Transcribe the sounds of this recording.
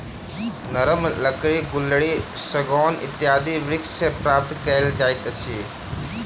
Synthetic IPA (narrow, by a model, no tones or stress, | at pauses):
nəɾəmləkɾiɡʊlːɽisɐɡɔːnɪ̰t̪ːjaːd̪iʋɾɪkssepɾaːp̚t̪kɐld͡ʒaːɪt̪əsʰi